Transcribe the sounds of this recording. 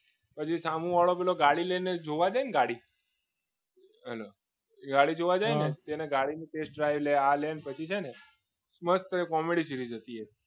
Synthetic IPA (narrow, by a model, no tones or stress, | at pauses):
pət͡ʃʰisamũʋaɭopɛloɡaɽilened͡ʒoʋad͡ʒajneɡaɽi | əlo | ɡaɽid͡ʒoʋad͡ʒajnet̪eneɡaɽiniʈesʈ̚ɖɾajʋlealenpət͡ʃʰit͡ʃʰene | sməst̪əɾkɔmeɽisiɾid͡ʒət̪ie